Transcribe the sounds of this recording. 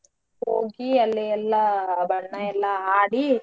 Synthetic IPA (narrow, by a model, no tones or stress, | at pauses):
hoːɡiɐlːiɛlːɐbɐɽɐɳɐɛlːɐaːɽi